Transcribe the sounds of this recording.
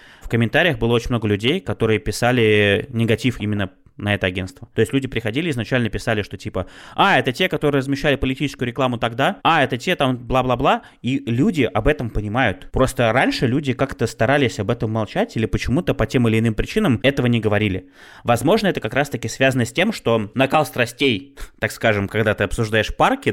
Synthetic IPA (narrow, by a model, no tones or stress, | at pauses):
fkəmʲɪnt̪aɾʲɪjəxbɨlˠəo̞t͡ɕɪnʲmno̞ɡəlʲʉdʲejkɐt̪o̞ɾɨjəpʲɪsalʲɪnʲɪɡɐtʲifimʲɪnːə | nɐɛt̪əɐɡʲe̞nst̪vət̪o̞ɪsʲtʲlʲʉdʲɪpɾʲɪxɐdʲilʲɪɪznɐt͡ɕælʲnəpʲɪsalʲɪʂt̪o̞tʲipəaɛt̪ətʲe̞kɐt̪o̞ɾɨːrəzmʲɪɕːælʲɪpəlʲɪtʲit͡ɕɪskʊjʊɾʲɪklˠamʊt̪ɐɡd̪aaɛt̪ətʲe̞t̪amblˠablˠablˠa | ilʲudʲɪʔɐbɛt̪əmpənʲɪmajʊt̪pɾo̞st̪əɾanʲʂɨlʲudʲɪkakt̪əst̪ɐɾalʲɪsʲɐbɛt̪əmːalˠt͡ɕætʲilʲɪpət͡ɕɪmut̪əpɐtʲe̞mɪlʲɪːnɨmpɾʲɪt͡ɕinəmɛt̪əvənʲɪɡəvɐɾʲilʲɪ | vɐzmo̞ʐnəɛt̪əkɐkɾast̪əkʲɪsvʲazənəsʲtʲe̞mʂt̪o̞nɐkalˠst̪ɾɐsʲtʲejt̪akskaʐɨmkɐɡd̪at̪ɨɐpsʊʐd̪ajɪʂparkʲɪ